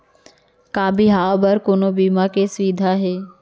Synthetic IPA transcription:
kaːbʱiɦaːbəɾkoːnobiːmakesʋiːd̪ʱaɦeː

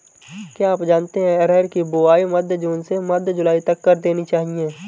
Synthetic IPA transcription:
kaaːpd͡ʒaːnt̪eɦɛ̃ɾɛːɾkibʊaːimɐd̪ʱd͡ʒuːnsemɐd̪ʱd͡ʒʊlaːit̪ɐkːɐɾd̪eːnit͡ʃaːɦijeː

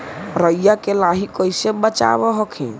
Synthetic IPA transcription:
ɾəjjakelaɦikəjsebət͡ʃa̰βɔɦɔkʰḭ̃

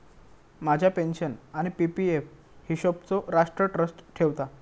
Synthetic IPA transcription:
mad͡ʑʱjapenɕənaɽ̃ipipief | hiɕobt͡soɾaʂʈɾəʈɾəsʈʈʰeʋt̪a

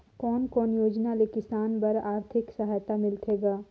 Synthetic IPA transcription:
kɔːnkɔːnjoːd͡ʒnalekɪsaːnbɐɾaːɾt̪ʰɪksəɦajt̪amɪlt̪ʰeːɡaː

